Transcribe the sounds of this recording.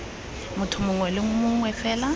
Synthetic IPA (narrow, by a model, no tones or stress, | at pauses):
mʊtʰʊmʊŋwɛlɪŋ̩mʊŋwɛfɛːla